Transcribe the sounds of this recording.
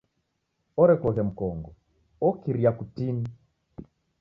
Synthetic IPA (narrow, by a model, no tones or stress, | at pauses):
ɔɾɛkɔɣɛm̩kɔŋɡɔ | ɔkiɾiakutini